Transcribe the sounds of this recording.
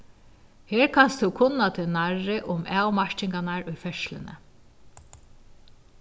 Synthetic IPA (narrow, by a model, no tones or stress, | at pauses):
heːɹkʰanst̪ʊkʰʊnːat̪ʰɪnaɹːɪʔʊmaːwmaʂt͡ʃɪŋkanaɹʊjfɛʃlɪ̰nɪ̰